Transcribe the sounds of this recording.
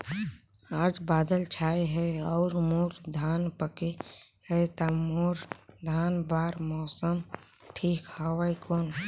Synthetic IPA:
aːd͡ʒbaːd̪əlt͡ʃʰaːiɦɛɔːɾmuːɾd̪ʱaːnpəke | hɛt̪amoɾd̪ʱaːnbaːɾmɔːsəm | ʈʰiːkhəʋaikoːn

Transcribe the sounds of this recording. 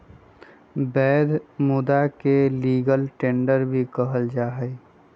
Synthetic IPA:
bɛːd̪mʊd̪akeliːɡəlʈẽːɳɖəɾbʱikəɦəld͡ʒaːɦəj

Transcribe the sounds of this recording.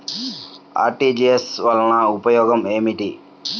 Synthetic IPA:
a̰ːɾʈid͡ʒiesʋɐlɐnɐupɐjɔːɡɐmeːmiʈi

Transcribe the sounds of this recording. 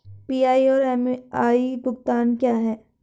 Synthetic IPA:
piːaːiɔːɾɛːmaːib̪ʊkt̪aːnkjaːɦɛː

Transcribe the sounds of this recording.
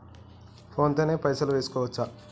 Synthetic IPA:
pʰo̞ːnt̪oːneːpɐjsɐluʋe̞ːsu̥kɔːʋɐt͡ʃːɐ

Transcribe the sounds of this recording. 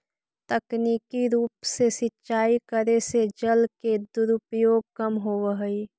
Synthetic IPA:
t̪əkniːkiɾuːpsesɪtːʃaːikəɾesed͡ʒəlked̪ʊɾʊpjoːɡ̚kəmɦoːʋəɦəi

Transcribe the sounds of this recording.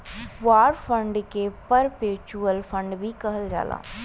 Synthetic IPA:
ʋaːɾpʰə̃ɳɖkepəɾpeːt͡ʃuəlpʰə̃ɳɖbʱikɐɦəld͡ʒa̰ːlã̰ː

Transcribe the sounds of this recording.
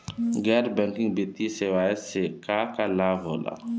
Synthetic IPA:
ɡɛɾbaŋkiŋbet̪ːisɛwajɛsɛkakalavɔla̰

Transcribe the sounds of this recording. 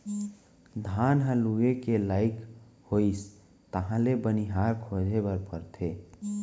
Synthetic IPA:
d̪ʱanɦə̃luekelaːɪk | hois | t̪əɦãlebəniɦaɾkʰod͡ʒʱebəɾpəɾt̪ʰe

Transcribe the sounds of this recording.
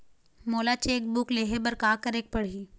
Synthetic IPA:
moːlat͡ʃeːk̚bʊkleːɦebɐɾkaːkəɾeːk̚pɐɽ̤iː

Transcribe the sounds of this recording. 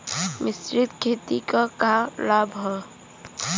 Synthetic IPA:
mɪsɾɪt̪kʰeːt̪ikakalabʱɦɛ̃

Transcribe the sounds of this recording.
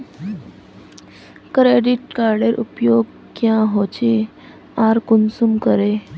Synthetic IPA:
kɾeɖiʈkaɾɖeɾʔṵpjoɡ | kjãɦot͡ɕe | aɾkunsumkəɾe

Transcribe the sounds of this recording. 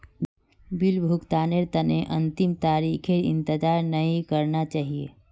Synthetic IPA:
bɪlbʱʊkt̪aːneɾt̪ɐneʔɐ̃nt̪ɪmt̪aːɾiːkʰeɾɪ̰̃nt̪ɪd͡ʒaːɾnɐɦĩkɐɾnat͡ʃaːɦiḛː

